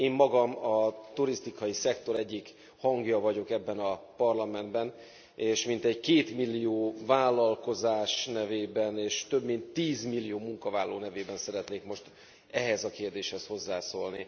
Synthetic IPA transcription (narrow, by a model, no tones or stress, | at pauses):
eːmːɒɡɒmɒt̪uɾist̪ikɒjisɛkt̪o̞ɾɛɟːik | hɒŋɡjɒvɒɟo̞kɛbːɛnɒpɒrlɒmɛnd̪bɛn | eːʃmin̪t̪ɛɟkeːt̪milːijoːvaːlːɒlko̞zaːʃnɛveːbɛneːʃt̪øbmint̪ːiːzmilːijoːmuŋkɒvaːlːo̰ːnɛveːbɛnsɛɾɛt̪neːkmo̞ʃt̪ | ɛɦɛzɒkeːrd̪eːʃhɛsho̞zːaːsoːlnḭ